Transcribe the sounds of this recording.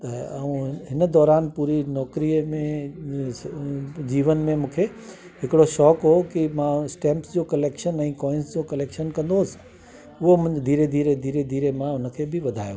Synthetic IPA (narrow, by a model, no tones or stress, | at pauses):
t̪ɐɐũɦɪnəd̪ɔːɾaːnpuːɾinɔːkɾimẽ | d͡ʑiːʋənmẽmũːkʰe | ɦɪkɪɽoʃɔːkɦokimãsʈɛ̃ːmpsd͡ʑoːkɐleːkʃənɛ̃ːkɔːɪ̃nsd͡ʑoːkɐleːkʃənkɐ̃nd̪oːs | ʊɦomʊ̃d̪ʱiːɾed̪ʱiːɾed̪ʱiːɾed̪ʱiːɾemãʊnə̆kʰeːbʱɪʋɐd̪ʱa̰ːjo̰